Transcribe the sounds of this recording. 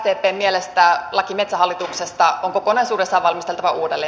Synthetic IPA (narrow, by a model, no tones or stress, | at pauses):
t̪eːpeːmmielest̪ælɑkimet̪sæɦɑlːit̪uksest̪ɑoŋkokonɑjsuːdesːɑʋɑlmist̪elt̪ɑʋɑʔuːdelːe